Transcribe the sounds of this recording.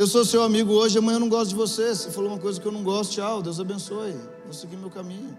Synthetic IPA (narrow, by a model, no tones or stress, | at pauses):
ewsosewamiɡʊoʒɪaɐmɐ̃j̃ɐ̃nɐ̃w̃ɡɔst̪ʊd͡ʒɪvosesefaloũmɐk̬ojzɐkɪewnɐ̃w̃ɡɔst̪ʊ̥t͡ʃawd̪ewzabẽsoje | d̪esekinʊmewkamĩɲʊ